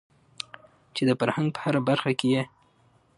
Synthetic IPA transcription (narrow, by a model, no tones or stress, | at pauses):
t͡ʃed̪əfaɾhaŋɡ̚pə̥haɾabaɾxakeje